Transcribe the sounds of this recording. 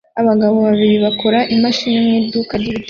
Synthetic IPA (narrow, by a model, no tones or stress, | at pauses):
aβaɡaβo̞βaβiɾiβakoɾaʔimaʃiɲemeːdukadiit